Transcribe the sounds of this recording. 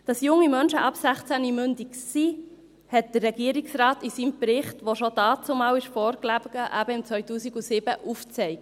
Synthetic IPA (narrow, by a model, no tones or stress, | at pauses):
d̥ɑsjʊŋːimœnʃəʔɑpsæχt͡sænimʏndiksi | hɛt̚d̥̪ərːɛɡiːəɾiksɾɑːtisiːmpɾɪχtʋoʃodɑːt͡sʊmɑːwɪʃfɔːɾklæb̥əɡ̥əʔæb̥əɪmt͡sʋœɥtuːsiɡusɪb̥əʔuft͡sɛɪk̚t